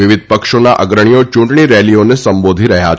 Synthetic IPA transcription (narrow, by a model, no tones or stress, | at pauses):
ɪʋɪd̪̚ʱpəkʃonaʔə̰ɡɾəɳ̃ijot͡ʃũɳʈɳ̃iɾɛlionesəmbod̪ʱiɾəɦja